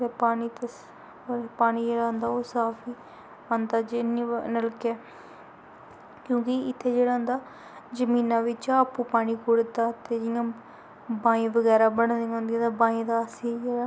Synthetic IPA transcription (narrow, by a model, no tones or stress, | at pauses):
ɾpaːniːt̪ː | ɾpaːniːd͡ʒeːɽaːnd̪aːoːsaːpʰiː | ə̃nd̪aːd͡ʒɪniːnəlkɛː | kjõːkɪɪt̪ʰːeːd͡ʒeːɽaːʊ̃nd̪aː | d͡ʒəmiːnãːʋɪt͡ʃaəpːũːpaːñiːkʊɽt̪aːt̪eːd͡ʒɪjãː | bãːĩːʋəɡɛːɾaːbəɳd̪ɪjãɦʊnd̪ijãːt̪abaːĩːd̪aːəsĩːd͡ʒeːɽaː